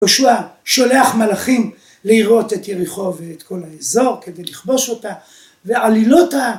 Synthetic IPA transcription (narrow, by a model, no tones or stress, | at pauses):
oʃuaʃo̞leaχmalaχim | leiʁo̞te̞tjeʁiχo̞veːtko̞laezo̞ʁke̞d̪e̞jliχbo̞ʃo̞ta | vealilo̞ta